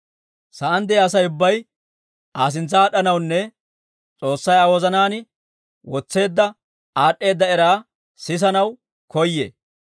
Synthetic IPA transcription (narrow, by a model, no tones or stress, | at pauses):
sɐʔɐnd̪ɛɐs̬ɐjʊbːɐj | ʔaːs̬ɪnt͡sːɐaːɗɐnɐwnːɛ | t͡sʼo̞ːsːɐjɐwɔzɐnaːnɪ | wɔt͡sːe̞ːd̪ːɐ | aːɗːe̞ːd̪ːɐɛɾaː | sɪs̬ɐnɐw | kɔjːḛː